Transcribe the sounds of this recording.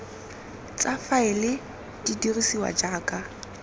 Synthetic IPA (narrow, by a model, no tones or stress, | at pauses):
t͡sʼafaɪlɪ | didirisiwa̰d͡ʒaːkʼa